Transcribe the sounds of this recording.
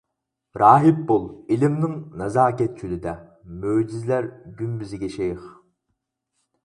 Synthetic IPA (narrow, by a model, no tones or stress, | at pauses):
ɾɑːɦɨp̚bolˠilɪmnɪŋnɑzɑːkʲɛt̪̚t͡ʃʰylɪd̪ɛ | møːd͡ʒizlæɾɡʲymbyzɪɡʲɛʃejχ